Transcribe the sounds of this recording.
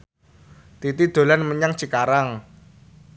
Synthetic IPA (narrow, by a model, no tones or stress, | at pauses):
t̪it̪id̪̥o̤lanməɲaŋt͡ʃikaɾaŋ